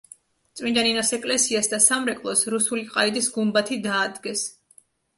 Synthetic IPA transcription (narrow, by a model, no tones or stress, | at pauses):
t̪sʼwind̪aninɔsɛkʼlɛsiasd̪asamɾɛkʼlˠɔsɾusuliqʼaid̪isɡumbat̪ʰid̪aːd̪ɡɛs